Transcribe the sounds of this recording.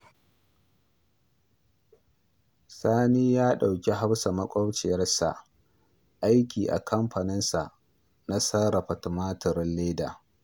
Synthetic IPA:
saː˦niː˦jaː˦ɗa˨wkʲi˦ɦa˦wsa˨mɐ˦kʷʼɔ˦wt͡ʃe˨jɐ˦rsa̰˨ʔ | ʔa˦jkʲiː˨ʔa̰˨kʰɐ˦mɸa˨nɪ˦nsa˨ʔ | na˦sɐ˦ɾa˨ɸɐ˨tʊ˨maː˦tɪ˨ɾɪ˦nleː˦daː˨

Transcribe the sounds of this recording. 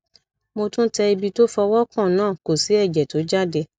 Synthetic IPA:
mo˧tũ˦tɛ˧i˧bi˧to˦fɔ˧wɔ˦kã˦˨nãː˦˨ko˨si˨˦ɛ˦˨d͡ʒɛ˨to˨˦d͡ʒa˦de˧

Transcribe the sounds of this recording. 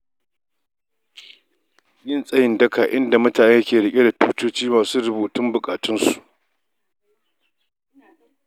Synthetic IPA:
jɪ˦nsʼɐ˦jɪ˨ndɐ˦kaː˨ʔɪ˦nda˨mʊ˦taː˨neː˦kʲeː˨ɽɪ˦kʲʼe˦da˨tuː˦toː˦t͡ʃiː˦maː˨suː˦ɾʊ˨boː˨tʊ˦mbʊ˨kʼaː˨tʊ˦nsu̥˨ʔ

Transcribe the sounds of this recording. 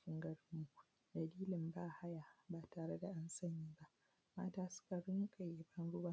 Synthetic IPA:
kʲɪ˦ŋɡɐ˦ɽɪ˦mːu˨ | dɐ˨liː˦lɪ˨mbaː˦˨ha˦jaː˨baː˨taː˨ɽe˦da˨ʔa˦nsɐ˦ɲjiː˦ba˦ʔ | maː˦taː˦sʊ̥˦ka˨ɽʊ˦ŋkʼa˨jɪ˨bɐ˦nɽʊ˦bɐ˦

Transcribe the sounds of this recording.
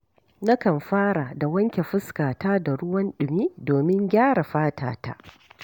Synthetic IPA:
na˦kɐ˨mɸaː˦ɽa˨da˨wɐ˦ŋkʲe˨ɸɪ˦skaː˨taː˦da˨ɽʊ˦wɐ˦nɗʊ˨miː˦doː˨mɪ˦ŋɡʲaː˦ɽa˨ɸaː˦ta̰ː˨ta̰˦ʔ

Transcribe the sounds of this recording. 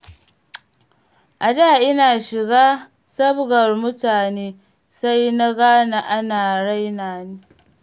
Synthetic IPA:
ʔa˨da˦˨ʔɪ˦naː˨ʃɪ˨ɡaː˦ | sɐ˦bɡɐ˨rmʊ˦taː˨neː˦ | sa˦jna˦ɡaː˦na˨ʔa˦naː˨ɽa˦jnaː˨neː˦

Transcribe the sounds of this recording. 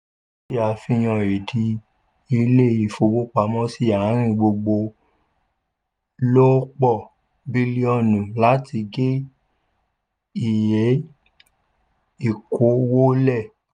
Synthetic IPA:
i˦a˧˨fi˧j̃ɔ̃˧˨e˨di˧ | i˧le˦˨i˨fo˧wo˦k͡pa˨˦mɔ̃˦si˦ã˨˦ɾ̃ĩ˦˧˨ɡ͡bo˧ɡ͡bo˧ | lo˦k͡pɔ˦˨ | bi˦li˦ɔ˦˨nũ˨la˨˦ti˧ɡe˦ | i˨je˨˦ | i˦˨ko˨˦wo˦lɛ˦˨

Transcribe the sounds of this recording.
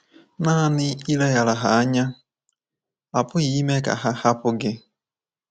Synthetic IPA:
na˦a˨nɪ˦i˦le˦ja˨la˨ɦa˨a˦ɲa˦ | a˨pʊ˦ji˨˦me˦ka̰˨ɦa˦ha˦pʊ˦ɡɪ˦

